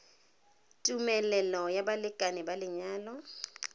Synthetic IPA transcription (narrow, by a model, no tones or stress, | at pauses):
tʼumɛlɛlɔjabalɪkʼanɪbalɪɲaːlɔ